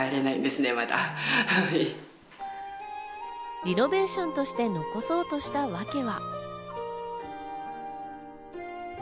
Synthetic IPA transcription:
aeɾe̞naḭ̃nd̪e̞sɨne̞mat̪a̰hai | ɾʲino̞be̞ːɕõ̞nt̪o̞ɕi̥t̪e̞no̞ko̞so̞ːt̪o̞ɕi̥t̪aβake̞βa

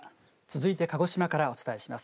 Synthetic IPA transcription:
t͡sɨzɨit̪e̞kaɡo̞ɕimakaɾao̞t͡sɨ̥t̪aeɕimasɨ̥

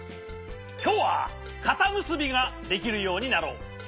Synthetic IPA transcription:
kʲo̞ːβa̰ | kat̪amɯ̟sɨbʲiɡad̪e̞kʲiɾɯ̟jo̞ːɲ̟inaɾo̞ː

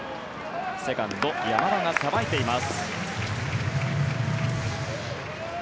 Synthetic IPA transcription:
se̞kãnt̪ojamaɾaŋasabait̪e̞imasɨ̥

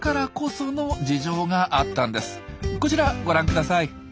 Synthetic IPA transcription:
kaɾako̞so̞no̞d͡ʑiʑo̞ːɡaʔat̪ːãnd̪e̞sɨ̥ko̞t͡ɕiɾaɡo̞ɾãŋkɯd̪asai

